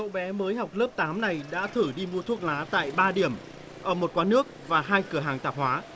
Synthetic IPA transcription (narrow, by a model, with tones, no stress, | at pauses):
ɗo̰˧˨ɓɛ˨˦məː˨˦jɦa˨˩wk͡p̚ləː˦˥p̚t̪aː˨˦mna˨˩jɗa̰ː˧˥t̪ʰɨ˧˩ɗi˧mu˧ət̪ʰu˦˥ək̚laː˨˦t̪a̰ː˧˨jɓaː˧ɗi˧˩əm | ʔəː˧˩mo˨˩t̚kwaː˨˦nɨ˦˥ək̚vaː˨˩ɦaː˧jkɨ˧˩əɦaː˨˩ŋt̪aː˨˩p̚hwaː˨˦